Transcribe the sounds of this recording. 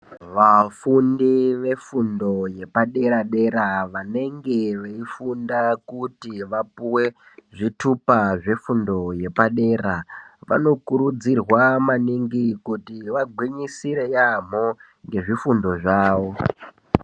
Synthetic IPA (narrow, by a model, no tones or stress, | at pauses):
ʋafundiʋe̞fundo̞je̞paɗe̞ɾaɗe̞ɾaʋane̞ŋɡe̞ʋeifundakutiʋapuwe̞ | ʐitupaʐe̞fundo̞je̞paɗe̞ːraʋa̰no̞kuɾud͡zirwamaniŋɡikutiʋaɡʱwiɲisiɾe̞jam̤o | ŋɡe̞ʐifundo̞ʐaːʋo̞